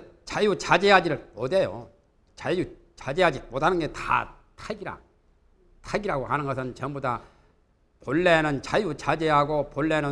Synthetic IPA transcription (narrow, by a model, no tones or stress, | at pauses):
t͡ɕajut͡ɕad͡ʑeɦad͡ʑiɾɯɭmode̞jo̰ | t͡ɕaju | t͡ɕad͡ʑeɦad͡ʑimotʰanɯnɡe̞ta̰ | tʰaɡiɾa̰ | tʰaɡiɾaɡoɦanɯnɡʌsʰɯnt͡ɕʌmboda | poɭːe̞nɯnt͡ɕajut͡ɕad͡ʑeɦaɡopoɭːenɯ